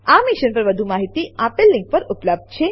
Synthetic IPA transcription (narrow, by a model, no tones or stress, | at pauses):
amiʃənpəɾʋəd̪ʱumaɦit̪iapelːɪ̃ŋk̚pəɾupləb̚d̪̚t͡ʃʰe